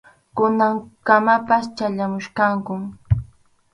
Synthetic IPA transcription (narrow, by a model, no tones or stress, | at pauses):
kʊnaŋkamapast͡ʃaʎamʊʃkaŋkʊ